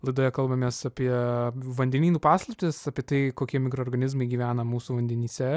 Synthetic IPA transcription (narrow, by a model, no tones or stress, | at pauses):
lˠɐɪd̪oːjɛkɐlˠbɐmʲeːsɑpʲiɛʋɐnʲd̪ʲɛnʲiːnuːpɑːslˠɐpʲt̪ʲɪsɑpʲiɛt̪ɐɪkoːkʲiɛmʲɪkɾooːɾɡɐnʲɪzmɐɪɡʲiʋʲæːnɐmuːsuːʋɐnʲd̪ʲɛnʲiːsʲɛ